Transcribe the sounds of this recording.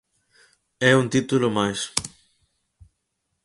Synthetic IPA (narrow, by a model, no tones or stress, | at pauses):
ɛunt̪it̪ulʊmajs